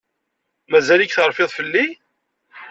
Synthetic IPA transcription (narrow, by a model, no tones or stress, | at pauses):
mæzælikθəɾˤfɪðˤfəlːi